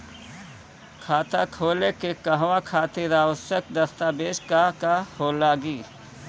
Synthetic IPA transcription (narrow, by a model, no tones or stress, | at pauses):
kʰaːt̪akʰoːlekekəɦwakʰaːt̪eɾaːʋəsjək̚d̪əst̪abeːd͡ʒkakahoːlaːɡiː